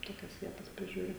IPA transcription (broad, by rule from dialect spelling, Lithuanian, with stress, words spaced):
ˈtoːkʲɛs ˈʋʲiɛtɐs pʲrʲɪˈʒʲuːrʲɪ